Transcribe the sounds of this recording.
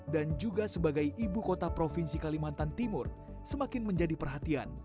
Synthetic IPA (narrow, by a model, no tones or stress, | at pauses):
dand͡ʒuɡasəbaɡajʔibukot̪apɾofinsikalimant̪ant̪imʊr | səmakɪnməɲd͡ʒadipərɦat̪ia̰n